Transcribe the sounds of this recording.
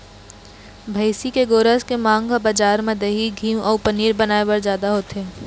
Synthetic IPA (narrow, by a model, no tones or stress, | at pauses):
bʱəɪsikeɡoːɾəskemãːŋɡkabad͡ʒaːɾmẽd̪ɐɦiɡʱiːmʔɔːɾpɐniːɾbɐnaːewəɾzjaːd̪aɦoːt̪eː